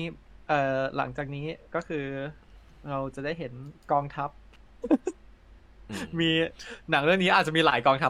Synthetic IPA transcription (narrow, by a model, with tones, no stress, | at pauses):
ʔɤː˨˩la̰˩˦ŋt͡ɕaː˨˩k̚niː˦˥kɔː˥˩kʰɯː˧ | ɾa˧wt͡ɕa˨˩daː˥˩jɦe˩˦nkɔː˧ŋt̪ʰa˦˥p̚ | miː˧na˩˦ŋɾɯ˥˩əŋni˦˥aː˨˩t̪̚t͡ɕa˨˩miː˧laː˨˩˦jkɔː˧ŋt̪ʰa˦˥